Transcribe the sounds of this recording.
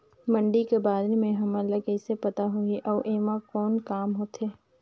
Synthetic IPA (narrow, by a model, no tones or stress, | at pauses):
mɐ̃ɳɖikebaːɾnemẽɦɐmələkɛːsepɐt̪aɦuiʔɔːʔeːʋãkɔːnkaːmɦoːt̪ɦeː